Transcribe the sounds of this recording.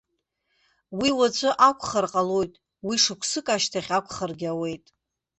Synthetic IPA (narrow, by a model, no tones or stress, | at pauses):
wiwat͡ɕʷʰʼɨʔakʷʰχarqʼalojtʼ | wiʂɨkʷʰsɨkʼaʃtʰaχʲakʷʰʼχərɡʲawe̞jtʼ